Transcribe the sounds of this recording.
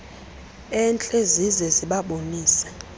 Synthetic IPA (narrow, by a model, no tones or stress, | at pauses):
ɛnt͡ɬʼezizɛziɓaɓoniːsɛ̥